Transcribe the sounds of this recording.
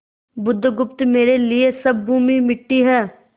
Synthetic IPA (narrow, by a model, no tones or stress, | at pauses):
bʊd̪ʱːɡʊp̚t̪meːɾeːlɪeːsəb̚ːuːmiːmɪʈːiːɦɛː